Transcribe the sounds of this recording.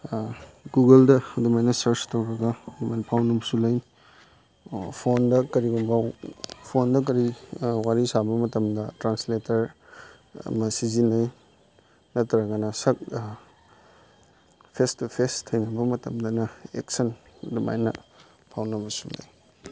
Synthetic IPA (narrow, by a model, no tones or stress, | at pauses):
ɡuɡɐldɐdumajnɐsɐɾstɐwɾɐɡɐdumajnɐpʰawnɐbɐsulɐj | pʰondɐkɐɾiɡombawpʰondɐk̬ɐɾiwaɾisabɐmɐtɐmdɐtɾansletɐɾ̰ | mɐsizinɐj | nɐtɐɾɐɡɐnɐsɐk̚ | pʰestpʰestʰɐjnɐbɐmɐtɐmdɐnɐḛk̚sɐnduma̰jnɐ̰ | pʰawnɐbɐsulɐ̰j